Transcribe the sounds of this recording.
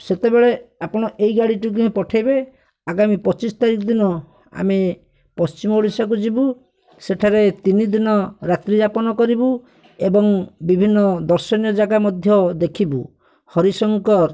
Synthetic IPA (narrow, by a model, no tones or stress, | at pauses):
set̪ebeɭeapɔɽ̃ɔʔejɡaɽiʈuk̬upɔʈʰajbe | aɡamipɔt͡ʃist̪aɾikɔd̪inɔ | a̰me | pɔst͡ʃimɔuɽisak̬ud͡ʒibu | seʈʰaɾet̪inid̪inɔɾat̪ɾid͡ʒapɔnɔkɔɾibu | ebɔŋbibʱinːɔd̪ɔɾsɔnjɔd͡ʒaɡamɔd̪ʱjɔd̪ekʰibṵ | hɔɾisɔŋkɔɾ